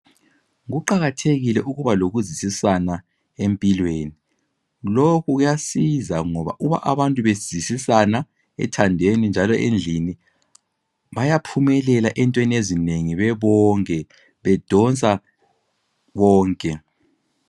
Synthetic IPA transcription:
ɣuǃaɣatʰeɣilɛʔuɣuβaloɣuzisisana | empʼilweːni | lokʰuɣujasizaŋɔβa̰ʔuβa̰ʔaβantʼuβez̥isisana | ɛ̰tʰandʱenind͡ʒʱalɔʔend͡ɮʱini | βajapʰumɛlɛlaʔɛntʼweniezineŋiβɛβɔːŋkʼɛ | βɛd̥ʱɔnt͡sʼa | βɔːŋkʼɛ

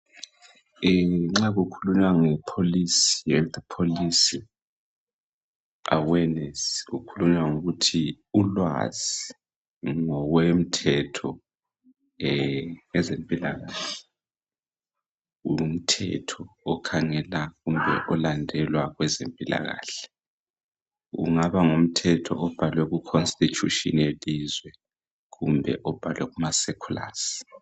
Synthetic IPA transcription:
ŋ͡ǁaɣukʰuluɲwaŋɛpʰolisijɛtpʰolisi | a̰wɛnɛsukʰuluɲwaŋuɣutʰi | ulwa̰zi | ŋɔɣwɛm̩tʰɛtʰɔ | ŋɛzempʼilaɣaːɬɛ | um̩tʰɛ̰tʰɔːkʰaŋɛlaɣumbʱɛ̰ʔɔlandʱɛlwaɣwɛzempʼila̰ɣa̰ːɬɛ̥ | ṵŋaβaŋum̩tʰɛtʰɔ̰ɔb̥ʱalwɛɣukʰonstʼit͡ʃʼuʃḭnelizwɛ | ɣumbʱɛ̰ʔɔb̥ʱalwɛɣumasɛkʰula̰ːsi̥

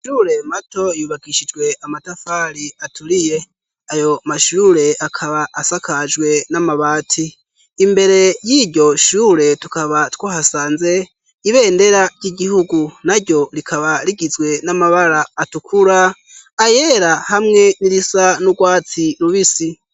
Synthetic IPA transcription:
ʃuɾe̞mato̞juːβaɡiʃid͡ʒɡwe̞amatafaɾiatʰuɾije̞ | ajo̞maʃuːɾe̞akʰaβaʔːsakʰad͡ʒɡwe̞namaβaːtʰiː | mbe̞ɾe̞jiɾɟo̞ʃuɾe̞tukaβatwaːhasaːnze̞ | iβe̞ːnde̞ɾaɾɟiɟihuɡunaɾɟo̞ɾikʰaβaɾiɡizwe̞namaβaɾaːtukʰuɾaː | je̞ɾahamŋe̞niɾisanuɡwaːt͡siɾuβisi

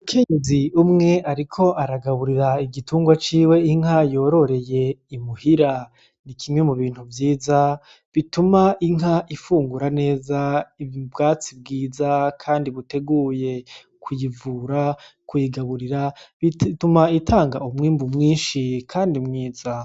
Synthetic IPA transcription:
mukʰe̞ɲeziumŋe̞ʔaɾikʰo̞ʔaɾaɡaβuɾiɾaiɡituːŋɡwat͡ʃiːwe̞iŋ̥ɦajo̞ɾo̞ɾe̞je̞imuhiɾa | nikʰimŋe̞muβiːn̥huvjiːza | βitumaʔiŋaʔifuːŋɡuɾane̞ːzaibɡaːt͡sib̚ɡiːzakʰaːndiβute̞ɡuːje̞ | kʰujivuɾakʰujiɡaβuɾiɾaitumaitʰaːŋɡaumŋiːmbumŋiːnʃikʰaːndimŋiːza

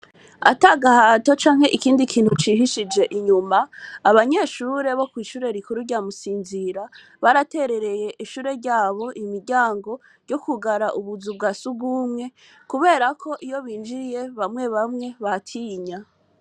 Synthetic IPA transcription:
a̰taɡahato̞t͡ʃaːŋ̥he̞ʔikiːndikʰiːn̥hut͡ʃiːɦiʃid͡ʒe̞ʔiɲumaːβaɲe̞ːʃuːɾe̞βo̞kwiːʃuːɾe̞ɾikuɾujamusiːnziɾa | βaɾate̞ɾe̞ɾe̞je̞ʔiʃuːɾe̞ɾɟaːβo̞ʔimiɾɟaːŋɡo̞ | jo̞kuɡaɾaʔuβuzub̚ɡasubɡuːmŋe̞ | kuβe̞ːɾakʰo̞ʔijo̞βiːnd͡ʒijeβamŋe̞βamŋe̞βatʰiɲa

